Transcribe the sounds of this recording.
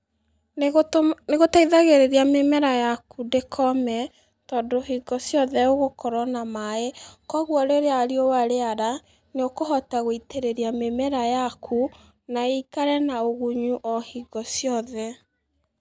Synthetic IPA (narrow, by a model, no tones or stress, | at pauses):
neɣotaiðaɣeɾeɾiamemɛɾajakudekʰɔmɛ | tɔːdoɦiɡɔsjɔðɛoɣokɔɾɔnamaekɔɣwɔɾeɾeaɾiowaɾeaɾa | neokoɦɔtaɣoiteɾeɾiamemɛɾajakʰu | naekaɾɛnaoɣuɲuʔɔhiɡɔsjɔðɛ